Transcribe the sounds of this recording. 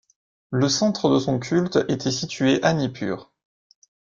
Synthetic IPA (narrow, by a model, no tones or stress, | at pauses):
ləsɑ̃t̪χəd̪əsɔ̃kʲʰylt̪et̪ʰɛsit̪ɥeʔanipʰy̰ːʁ